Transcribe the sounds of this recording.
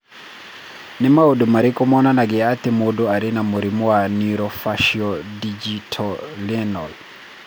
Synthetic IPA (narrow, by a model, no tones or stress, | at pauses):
nimaudumaɾikɔmɔnanaɡɛat̪imuduaɾinamuɾimuwaniɾɔfaʃiɔdid͡ʒitʰɔliɛnɔl